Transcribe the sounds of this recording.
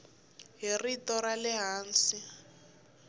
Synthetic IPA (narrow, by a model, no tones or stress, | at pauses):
ɦiritɔɾalɛɦaːnsi